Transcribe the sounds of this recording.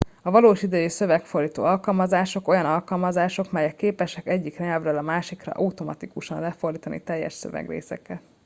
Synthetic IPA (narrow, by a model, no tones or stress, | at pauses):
ɒvɒloːʃid̪ɛjisø̞vɛkfo̞rd̪iːt̪o̰ːɒlkɒlmɒzaːʃo̞ko̞jɒnɒlkɒlmɒzaːʃo̞kmɛjɛkːeːpɛʃɛkɛɟːikrɛɲɛlvrɛlɒmaːʃikrɒ̰ʔɒut̪o̞mɒt̪ikuʃɒnlɛfo̞rd̪iːt̪ɒnʔḭt̪ɛjːɛ̰ʃsø̰vɛ̰ɡrḛːsɛ̰kɛt̪